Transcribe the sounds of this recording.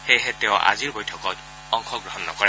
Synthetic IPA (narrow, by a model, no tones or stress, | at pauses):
xejɦɛtɛʊ̃ʔa̰ziɹbojtʰɔkɔt | ɔŋxʰɔɡɹɔɦɔnːɔ̰kɔɹɛ